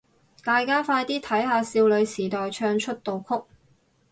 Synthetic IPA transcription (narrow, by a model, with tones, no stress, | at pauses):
t̪aː˨jkaː˥faː˧jt̪iː˥t̪ʰɐ˨˥jɦaː˨˧siː˧wlɵ˨˧ɥsiː˨˩t̪ɔː˨jt͡ʃʰœː˧ŋt͡ʃʰɵ˥t̚t̪o˨wkʰʊ˥k̚